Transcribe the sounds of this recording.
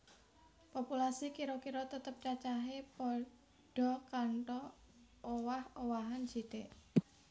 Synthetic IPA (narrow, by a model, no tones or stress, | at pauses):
populasikiɾɔkiɾɔt̪ət̪əp̚t͡ʃat͡ʃaɦepɔ | ɖ̥ɔ̤kaɳʈɔː | wahowaɦand͡ʒit̪e